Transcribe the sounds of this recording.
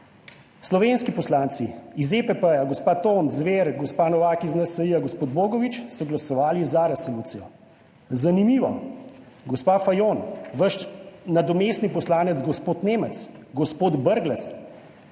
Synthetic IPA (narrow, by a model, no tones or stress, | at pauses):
slɔʋeːnskipɔslaːnt̪siizepəpəjaɡɔspaːt̪oːnzʋeːɾɡɔspaːnɔʋaːkiznasɐjiaɡɔspoːd̪boːɡɔʋit͡ʃsɔɡlasɔʋaːlizaɾɛsolut̪sijɔ | zanimiːʋɔ | ɡɔspaːfajoːnʋəʃnad̪ɔmeːst̪nipɔslaːnɛd̪zɡɔspoːt̪neːmət̪sɡɔspoːd̪bəɾɡlɛs